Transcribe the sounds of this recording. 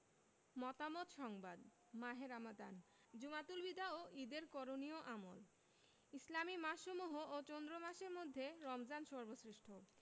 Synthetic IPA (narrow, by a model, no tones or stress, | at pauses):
mɔt̪amot̪ʃɔŋbad̪ | maɦeɾamad̪an | d͡ʑumat̪ulbid̪ʱaoʔid̪eɾkɔɾonioʔamo̰l | islamimaʃʃomuɦoot͡ɕond̪ɾomaʃeɾmod̪ʱːeɾɔmzanʃɔɾbosɾiʃʈʰo